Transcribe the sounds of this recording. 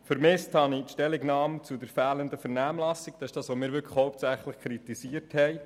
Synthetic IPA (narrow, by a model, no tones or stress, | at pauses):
fəɾmɪsthɑnitʃtɛlɪɡnɑːmt͡sudəɾfæːləndəfəɾnæːmlɑsiɡ̚d̥ɑsɪ̥ʃd̥ɑːsʋomɪːɾʋʏɾkʰə̥χhɔʊp̚t͡sæχləχkʰɾitisiəthɛɪ